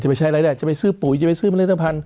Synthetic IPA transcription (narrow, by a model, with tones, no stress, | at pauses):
t͡ɕpa˧˩jt͡ɕʰa˧˥˩ɾa˧jda˧˩t͡ɕa˨˩pa˧jsɯː˥˩puː˩˦jt͡ɕa˨˩pa˧jsɯː˥˩ma˧˦˥t̪ʰːa˧pʰa˧n